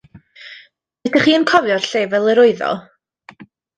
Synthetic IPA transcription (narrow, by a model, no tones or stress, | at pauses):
ɛtaχiːənkʰɔvjɔrɬeːvɛlˠəɾʊɨðɔ̰